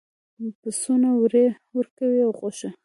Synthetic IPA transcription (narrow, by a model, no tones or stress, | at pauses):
pəsonawɾe | wəɾkawiawxoʃe